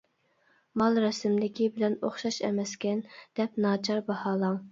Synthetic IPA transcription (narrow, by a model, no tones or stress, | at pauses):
mɑlˠɾɛsɪmlɪkʲʰibɪlɛnoχʃɑʃɛ̰mɛskʲɛnd̪̥ɛp̚nɑːt͡ʃʰɑɾbɑhɑːlˠɑŋ